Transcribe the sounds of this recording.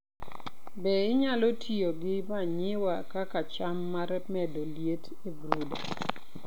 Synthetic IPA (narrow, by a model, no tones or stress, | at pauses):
bɛɪɲalotʰioɡɪmaɲɪwakakat͡ʃamːaɾɛmɛdoljet | ebɾuda